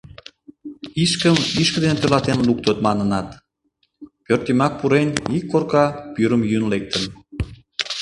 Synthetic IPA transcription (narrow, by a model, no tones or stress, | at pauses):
iʃkəmiʃkə̆d̪enet̪ølɑt̪enluk̚t̪ət̪mɑnənɑt̪ | pørt̪imɑk̚puɾenikːorkɑpyɾəmjynlek̚t̪ən